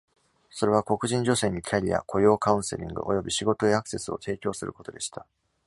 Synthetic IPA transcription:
so̞ɾe̞β̞ako̞kɯ̟ʑĩɲ̟d͡ʑo̞se̞ːɲ̟ikʲʰaɾʲija̰kʰo̞jo̞ːkaɯ̟̃ɰ̃se̞̰ɾʲḭ̃ŋɡɯ̟̰ʔo̞jo̞bʲiɕiɡo̞t̪o̞eakɯ̟̥se̞sɨo̞t̪ʰe̞ːkʲo̞ːsɨɾɯ̟ko̞t̪o̞d̪e̞ɕi̥t̪a

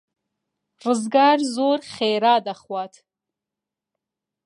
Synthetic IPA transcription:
rɨzɡaːrzoːrχeːɾaːd̪aχwaːtʰ

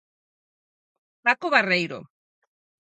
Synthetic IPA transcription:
pakoβarejɾo̰

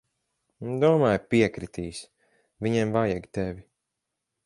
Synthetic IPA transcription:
d̪uɔmaːjpiɛkɾit̪ʰiːsʲ | vʲiɲɛmvajaɡʲt̪ɛvʲi

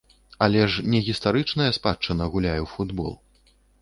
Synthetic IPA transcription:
ɐlʲɛʂnʲɛɣʲist̪aɾɨt͡ʂnɐjɐspat͡ʂɐnɐɣulʲajɛwfud̪bɔ̰lˠ

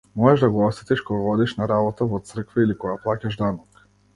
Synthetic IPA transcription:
mɔʒɛʒd̪aɡɔɔst̪it̪ɛʃkɔɡavɔd̪ɛʃnaɾabɔt̪avɔt̪sr̩kvɛilikɔɡaplˠacaʒd̪anɔk

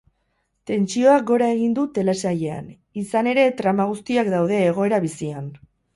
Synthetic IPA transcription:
t̪e̞nt͡sio̞ak̚ɡo̞ɾae̞ɣ̞ind̪ut̪e̞le̞saje̞a̰n | isane̞ɾe̞t̪ɾamaɣ̞ust̪iakd̪awðe̞ːɣ̞o̞e̞ɾaβisian

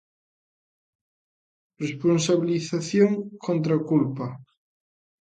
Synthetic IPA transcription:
responsaβiliθaθjoŋkont̪ɾakulpa

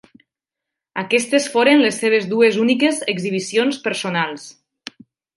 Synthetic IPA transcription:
akɛst̪esfoɾenlesːeβ̞ezðuezunikezeɡziβ̞isionspəɾsonalˠs

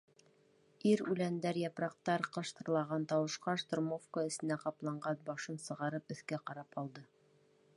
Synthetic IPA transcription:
iɾʉlænd̪æɾjɑpɾɑq̚t̪ɑɾqɤ̆ʃt̪ɤ̆ɾlˠɑʁɑnt̪ɑwɤ̆ʃqɑʃt̪ŏrmofkəɘ̆sɘ̆næqɑplˠɑɴɢɑnbɑʃɤnsɤ̆ʁɑɾɤpɵ̆θkæqɑɾɑpɑlˠd̪ɤ

